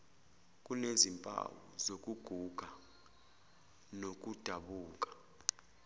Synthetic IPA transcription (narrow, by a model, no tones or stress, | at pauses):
k̬ʼunezimpʼa̰wɔzok̬ʼuɡ̥ʱuɡ̥ʱa | nok̬ʼud̥ʱaɓuːk̬ʼḁ